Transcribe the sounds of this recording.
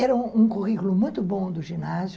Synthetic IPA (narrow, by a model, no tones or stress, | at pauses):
ɛɾɐ̃ũkuʁikulʊmũj̃t̪ʊbõd̪ʊʒinaz